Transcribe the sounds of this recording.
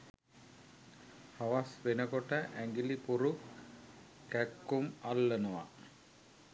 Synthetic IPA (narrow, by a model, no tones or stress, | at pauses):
haʋasʋenəkoʈəʔæŋɡilipuɾu | kækːumalːənuʋa̰